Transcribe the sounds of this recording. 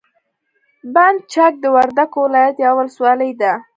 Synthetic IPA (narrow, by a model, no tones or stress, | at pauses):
band̪̚t͡ʃak̚d̪əwaɾd̪akowɪlɑjat̪jawəlswɑləjd̪a